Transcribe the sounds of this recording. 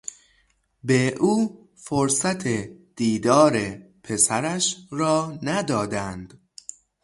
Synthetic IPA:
beʔuː | foɾsæt̪ʰed̪̥iːd̪ɒːɾepʰe̞sæɾæʃɾɒːnæd̪ɒːd̪ænd̪̥

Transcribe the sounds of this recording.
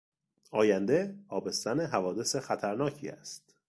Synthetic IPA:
ʔɒːjænd̪e̞ɒːbe̞st̪æneɦævɒːd̪e̞sexæt̪ʰæɾnɒːcʰḭːæ̰st̪

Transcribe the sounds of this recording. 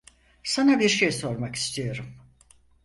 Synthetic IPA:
sanabiɾʃejso̞ɾmaki̥st̪ʰijo̞ɾum

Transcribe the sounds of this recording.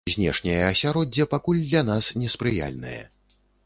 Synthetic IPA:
zʲnʲɛ̰ʂnʲɐjɐɐsʲaɾɔdd͡zʲːɐpakulʲd̪lʲan̪asnʲɛspɾɨja̰lʲnɐ̰jɐ̰

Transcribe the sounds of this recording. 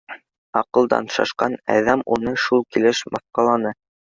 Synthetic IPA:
ɑqɤ̆lˠd̪ɑ̰nʃɑ̰ʃqɑnæ̰ðæmunɤʃulˠkilɘʃmɑθqɑlˠɑnɤ

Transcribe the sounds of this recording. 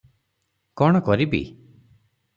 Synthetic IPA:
kɔɽ̃ɔkɔɾibḭ

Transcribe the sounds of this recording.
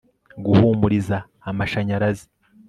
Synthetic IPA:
ɡuhuːmuɾizaː | maʃaɲaɾazi̥

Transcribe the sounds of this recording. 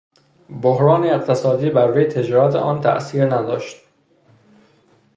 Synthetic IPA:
bohɾɒːneeqt̪ʰesɒːd̪iːbæɾːuːjet̪ʰe̞d͡ʒɒːɾæt̪ʰḛʔɒːnt̪ʰæ̰ʔsiːɾnæd̪ɒːʃt̪

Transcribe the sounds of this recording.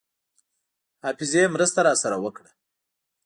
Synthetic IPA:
hɑfɪzemɾəst̪aɾɑsaɾawəkɽa

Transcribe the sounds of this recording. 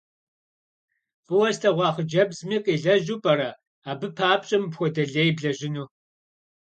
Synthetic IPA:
fʼɨwɐstʰʼɐʁʷɑːχəd͡ʒɐbzmiːqʼiːɮɐʒuːpʼɐɾɐ | aːbɨpʰaːp̚ɕʼɪmpxʷɔdɐɮeːjbɮɐʒɪnuː

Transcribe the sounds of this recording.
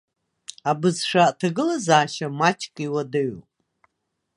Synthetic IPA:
abɨzʂatʰaɡɨlazaːʃamat͡ʃʰkʼiwadɨɥ

